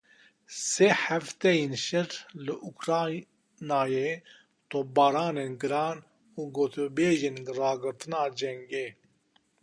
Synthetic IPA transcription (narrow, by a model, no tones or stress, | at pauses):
seːħæft̪ɛjinʃɛɾlɨʔukɾɑː | naːje | t̪obɑːɾɑːneːnɡɨɾɑːn | uːɡoːt̪ʰbeːʒinrɑːɡɨɾt̪ɨnɑːd͡ʒɛŋɡeː